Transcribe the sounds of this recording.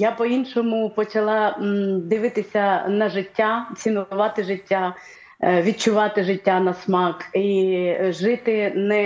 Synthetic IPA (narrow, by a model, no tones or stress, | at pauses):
japɔinʃɔmʊpɔt͡ʃɐlˠɑd̪ɪʋɪt̪ɪsʲɐnɐʒɪtʲːat̪t͡sʲinɔʊʋɑt̪ɪʒɪtʲːa | ʋʲid̪̚t͡ʃʊʋɑt̪ɪʒɪtʲːanɐsmɑkiʒɪt̪ɪnɛ